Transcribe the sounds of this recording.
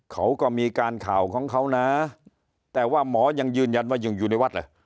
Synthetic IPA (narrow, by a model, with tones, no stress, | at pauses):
kʰa˦˥wkɔː˥˩miː˧kaː˧nkʰaː˨˩wkʰɔː˩˦ŋkʰa˦˥wna˦˥ | t̪ɛː˨˩waː˥˩mɔː˩˦˥ja˧ŋjɯː˧˩nja˧nwaː˥˩jɯ˧˩ŋjuː˨˩na˥˩jwa˦˥˩laː˧˩